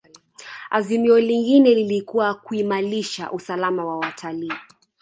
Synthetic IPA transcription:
azimiɔliŋɡinɛlilikuwakuimaliʃa̰ʔusalamawawatʰaliː

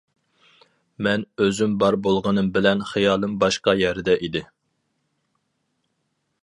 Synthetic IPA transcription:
mɛnøzymbɑɾbolˠʁənɨmbɪlɛnχijɑːlˠɨmbɑʃqɑjɛɾd̪ɛʔid̪ɪ

